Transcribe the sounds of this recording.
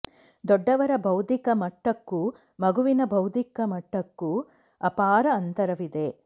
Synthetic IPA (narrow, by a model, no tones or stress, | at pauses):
d̪ɔɖːɐʋɐɾɐbʱɐwd̪ikɐmɐʈːɐkːu | mɐɡuʋinɐbʱɐwd̪ikɐmɐʈːɐkːu | ɐpaːɾɐːnt̪ɐɾɐʋid̪e̞